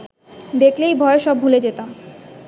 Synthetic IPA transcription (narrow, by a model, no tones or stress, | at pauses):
d̪eklejbʱɔeʃɔbɦuled͡ʑet̪am